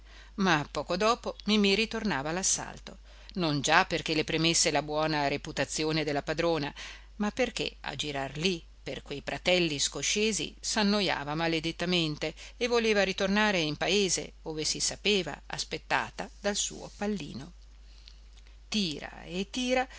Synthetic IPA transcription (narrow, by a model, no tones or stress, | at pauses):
mapːɔːkod̪ɔːpomimiɾit̪ornaːvalasːa̰lt̪o | nond͡ʒapːerkelepɾemesːelabwɔːnaɾeput̪at̪sːjoːned̪elːapad̪ɾoːna | mapːerk̟ḛa̰d͡ʒiɾarli | perkwejfɾat̪ɛlːiskoʃeːzḭsanːoja̰ːvamaled̪et̪ːament̪eːvːoleːvaɾit̪ornaːɾeimpaeːzḛ | oːvesisapeːva̰a̰spet̪ːa̰ːt̪ad̪alsṵːo̰palːḭːno | t̪iːɾa̰et̪ːiːɾa